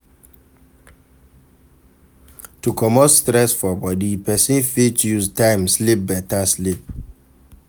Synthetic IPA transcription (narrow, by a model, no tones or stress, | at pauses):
tukʰɔmotstɾɛsfɔbɔdipɛsĩnfitujuztãɪ̃mslip̚bɛtaslip̚